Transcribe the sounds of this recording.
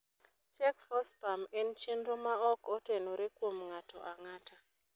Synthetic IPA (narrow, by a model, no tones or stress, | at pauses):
t͡ʃɛkfɔspamɛnt͡ʃenɾomaɔkɔtenoɾekwomŋatʰɔ̰ʔaŋatʰa